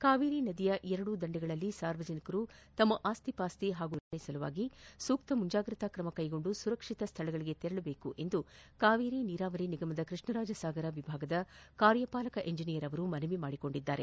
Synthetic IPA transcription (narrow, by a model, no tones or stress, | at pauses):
kaːʋiːɾinɐd̪ijɐʔɛɾɐɽud̪ɐɳɖɛɡɐɭɐlːisaːɾʋɐd͡ʒɐnikɐɾut̪ɐmːɐʔaːst̪ʰipaːst̪iɦaːɡuɾɐɐjsɐluʋa̰ːɡisuːk̚t̪ɐmuɲd͡ʒaːɡɾit̪ɐkɾɐmɐkɐjɡo̞ɳɖusuɾɐkʂit̪ɐst̪ʰɐɭɐɡɐɭiɡe̞t̪ɛɾɐɭɐbe̞ːkuʔe̞nd̪ukaːʋiːɾiniːɾaːʋɐɾiniɡɐmɐd̪ɐkɾɨʂɳɐɾaːd͡ʒɐsaːɡɐɾɐʋibʱaːɡɐd̪ɐkaːɾjɐpaːlɐkɐʔe̞ɲd͡ʒinijɐɾɐʋɐɾumɐnɐʋimaːɽiko̞ɳɖid̪ːaːɾḛ